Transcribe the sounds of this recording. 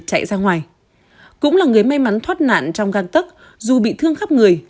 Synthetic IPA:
t͡ɕa̰˧˨jzaː˧ŋwaː˨˩j | kʊ̰˧˥ŋ͡mlaː˨˩ŋɨ˨˩əjma˧jma˨˦nt̪ʰwaː˦˥t̚na̰ː˧˨nt͡ɕɔ˧wŋ͡mɣaː˧ŋt̪ə˦˥k̚ | zu˨˩ɓḭ˧˨t̪ʰɨ˧əŋxa˦˥p̚ŋɨ˨˩əj

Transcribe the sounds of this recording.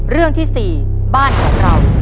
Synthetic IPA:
ɾɯ˥˩əŋt̪ʰiː˥˩siː˨˩ | baː˥˩nkʰɔː˩˦ŋɾa˧w

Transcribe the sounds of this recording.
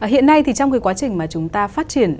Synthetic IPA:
ʔəː˧˩ɦḭ˧˨ənːa˧jt̪ʰi˨˩t͡ɕɔ˧wŋ͡mkaː˨˦jkwa˨˦t͡ɕï˨˩ŋmaː˨˩t͡ɕʊ˨˦ŋ͡mt̪aː˧faː˦˥t̚t͡ɕi˨˧˩ən

